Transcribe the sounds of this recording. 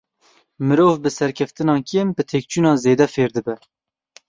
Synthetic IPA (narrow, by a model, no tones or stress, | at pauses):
mɨɾoːvbɨsɛɾkʲʰɛft̪ɨnɑːkʰembɨt̪ʰeːk̚t͡ʃʰuːnɑːzeːd̪ɛfeːɾd̪ɨbɛ